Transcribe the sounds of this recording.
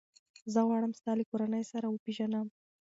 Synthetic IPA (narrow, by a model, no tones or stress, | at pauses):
zəɣwɑɽəmst̪ɑlekoɾanəjsaɾawəpeʒanam